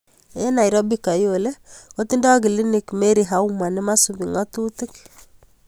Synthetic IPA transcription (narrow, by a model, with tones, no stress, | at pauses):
e˦na˨jɾɔ˦bi˦ka˨jo˨le˦ko˦t̪i˦nda˦ɡi˨li˦ni˨kme˦ɾi˨ɦa˦u˦ma˨ni˦ma˦su˨bi˨ŋa˦t̪u˦t̪i˦k